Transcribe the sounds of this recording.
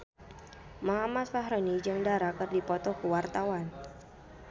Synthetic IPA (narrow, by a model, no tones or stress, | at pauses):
maɦamasfaɦɾonid͡ʒɨŋdaɾakərdipɔt̪ɔkuwart̪awan